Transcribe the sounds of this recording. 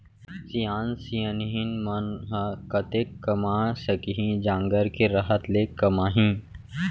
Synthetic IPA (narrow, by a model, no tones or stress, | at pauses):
sijãːnsijənɦinmənɦəkət̪ekːəmãsəkiɦĩd͡ʑãːŋɡəɾkeɾɐɦət̪lekːəmaɦĩ